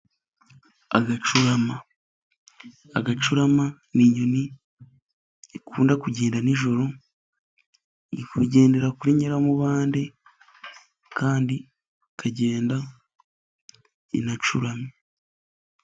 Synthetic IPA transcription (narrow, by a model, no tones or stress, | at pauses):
aɡat͡ʃuɾama | aɡat͡ʃuɾama | niɲoni | ikʰuːndakuɟe̞ːndaniʒo̞ɾo̞ | ikuɟe̞ːnde̞ɾakuɾeɲeɾamuβaːnde | kʰaːndi | kʰaɟeːnda | ḭnat͡ʃuɾame